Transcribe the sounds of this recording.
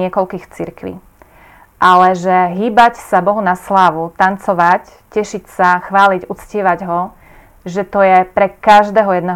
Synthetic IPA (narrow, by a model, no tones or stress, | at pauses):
ɛkɔlkiːxt͡siɾkʋḭ | ʔalɛʒɛɦiːbacsabɔɦunaslaːʋut̪ant͡sɔʋac | cɛʃicsaxʋaːliɟut͡scɪɛʋaɟɦɔ | ʒɛt̪ɔjɛpɾɛkaʒd̪ɛːɦɔjɛd̪nɛ